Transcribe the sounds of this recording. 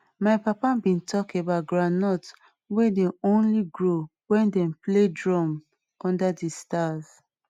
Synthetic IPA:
maɪpapabĩntʰɔkebat̚ɡɹanɔt | wedeõnliɡɹowɛ̃ndɛ̃mpledɹɔ̃m | ɔ̃ndadistaz

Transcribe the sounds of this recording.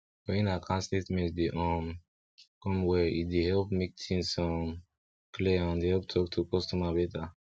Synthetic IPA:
wɛĩnakʰãnsletmɛ̃ntdeʔɔ̃m | kɔ̃mwɛideɦɛlpmek̚tʰĩŋsɔ̃m | kliãndehɛlp̚tʰɔktʰukɔstɔmabɛta

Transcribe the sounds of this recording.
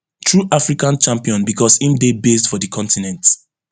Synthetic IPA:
tʰɹuʔafɹikãnt͡ʃãmpiɔ̃nbikɔsĩmdebesdfɔdəkʰɔ̃ntinɛ̃nt

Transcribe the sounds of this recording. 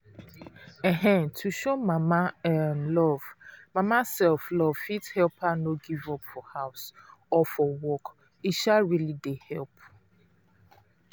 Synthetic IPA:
ɛɦɛ̃ntʰuʃomamamlɔv̥mamasɛlflɔvfithɛlpʰanoɡivɔpfɔhaʊsɔfɔwɔk | iʃaɹilidehɛlp̚

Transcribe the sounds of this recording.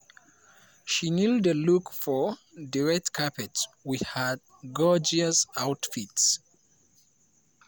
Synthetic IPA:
ʃinildəlukfɔdiɹɛk̚tkʰapɛtwihad̚ | ɡɔd͡ʒiəsawtfits

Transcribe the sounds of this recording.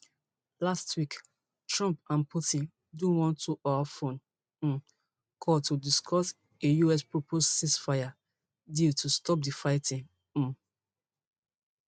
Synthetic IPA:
lastʰwik | tɹɔ̃mpãnpʰutĩn | dɔ̃nwɔ̃ntuʔawafõn̩ | kʰɔtudiskʰɔs | ejuɛspɹopʰossisfaɪa | ditʰustɔp̚difaɪtĩŋ̩̃

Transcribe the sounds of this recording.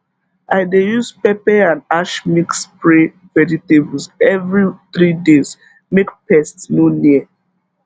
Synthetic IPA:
ʔaɪdejuspɛpɛãnaʃmikspɹe | vɛditebl̩sɛvɹiθɹidez | mekpɛstsnoniə

